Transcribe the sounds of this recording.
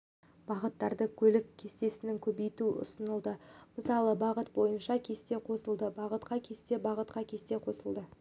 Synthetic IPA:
b̥ɑʁət̪ːɑɾd̪əkʲʰɵlɪkʲkʲʰːe̞st̪e̞sɪnɪŋkʲʰɵbejt̪uʔʊ̰sənəlˠd̪əməsɑlˠəbɑʁət̪̚bo̞jənʃɑkʲʰe̞st̪e̞qʰo̞səlˠd̪əbɑʁət̪qɑkʲʰe̞st̪e̞bɑʁət̪qɑkʲʰe̞st̪e̞qʰo̞səlˠd̪ə

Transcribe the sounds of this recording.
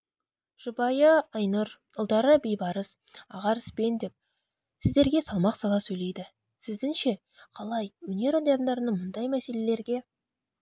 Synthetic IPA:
ʒ̥ʊbɑjəːjnuɾ | ʊlˠd̪ɑɾəbejbɑɾəs | ɑ̰ʁɑɾəsbe̞nd̪e̞p̚ | sɪzd̪e̞ɾɡʲe̞sɑlˠmɑqsɑlˠɑsɵjle̞jd̪ɪ | sɪzd̪ɪŋʃe̞ | qʰɑlˠɑjwɵne̞ɾond̪ɑnd̪ɑɾənəɴmʊnd̪ɑjmæse̞le̞le̞ɾɡʲe̞

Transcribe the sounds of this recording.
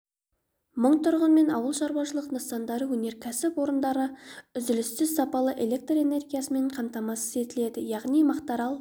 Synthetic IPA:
məɴt̪ʰʊɾʁənme̞nɑ̰wəlˠʃɑɾwɑʃəlˠəqnəsɑnd̪ɑɾəwɵne̞ɾkʲʰæsɪpwo̞ɾənd̪ɑɾəʏzɪlɪst̪ɪzsɑpɑlˠəʔe̞le̞k̚t̪re̞ne̞rɡʲijasəme̞ɴqʰɑmt̪ɑmɑsəze̞t̪ɪle̞d̪ɪjɑʁnijmɑqt̪ɑɾɑlˠ

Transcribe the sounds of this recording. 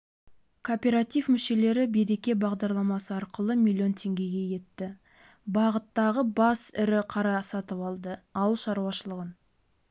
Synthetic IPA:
kʰopʲe̞ɾat̪ivmʏʃe̞le̞ɾɪbeɾe̞kʲe̞bɑʁd̪ɑɾlˠɑmɑsəɑɾqəlˠəmʲilʲːio̞nt̪ʰe̞ŋɡʲe̞ɡʲe̞je̞t̪ːɪ | bɑʁət̪ːɑʁəbɑsɪɾɪqʰɑɾɑsɑt̪əpɑlˠd̪əɑwlˠʃɑɾuwɑʃəlˠəʁən

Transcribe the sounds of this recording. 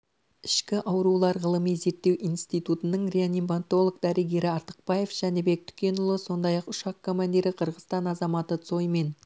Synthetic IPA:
ɪʃkʲɪʔɑwɾulˠɑɾʁəlˠəmijze̞ɾt̪ːe̞winst̪it̪ut̪ənəɴrʲeanimbant̪o̞lˠoɡd̪ɑɾeɡʲeɾɪɑɾt̪ə̥q̚b̥ɑje̞fʒ̥æne̞be̞k̚t̪ʰʏ̥kʲe̞nʊlˠəso̞nd̪ɑjɑqʊʃɑqʰːo̞manʲd̪ʲiɾɪqʰəɾʁəzt̪ɑnɑzɑmɑt̪ət̪so̞jme̞n

